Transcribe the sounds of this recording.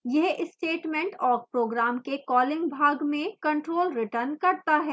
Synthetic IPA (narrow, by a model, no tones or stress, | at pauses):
jɛɦɪsʈeːʈmɛ̃ɳʈɔːɾpɾoːɡɾaːmkekɔːlɪ̃ŋɡbʱaːɡmẽkɐ̃ɳʈɾoːlɾɪʈəɾnkɐɾt̪aɦɛː